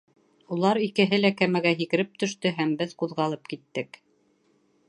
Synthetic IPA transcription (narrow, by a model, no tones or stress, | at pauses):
ulˠɑɾikɘ̆ɦɘlækæmæɡæɦikɘ̆ɾɘp̚t̪ɵ̆ʃt̪ɵɦæmbɘðquðʁɑlˠɤpkit̪ːɘk